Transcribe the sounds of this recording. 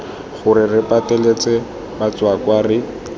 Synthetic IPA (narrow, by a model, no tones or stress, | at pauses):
χʊrɪrɪpatɛlet͡sɛ | bat͡swakwaːrɪ